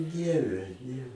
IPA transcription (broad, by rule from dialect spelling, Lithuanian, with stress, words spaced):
ˈdʲiɛʋʲɛ nʲɛ